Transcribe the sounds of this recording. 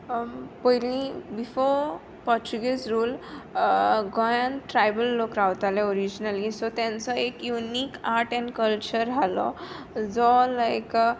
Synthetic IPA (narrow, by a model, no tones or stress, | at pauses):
pəɦilĩbifoɾ | pɔɾt͡ɕuɡesɾuːl | ɡɔjãnʈɾajbəlːokɾawt̪alɛoɾid͡ʑnalisɔt̪jãnt͡sɔekjunikaɾʈɛ̃ɳkəlt͡ɕəɾɦalɔ̰ | d͡zɔlajk